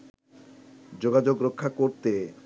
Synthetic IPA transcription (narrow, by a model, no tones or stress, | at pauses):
d͡ʑoɡad͡ʑoɡɾokʰːakoɾt̪e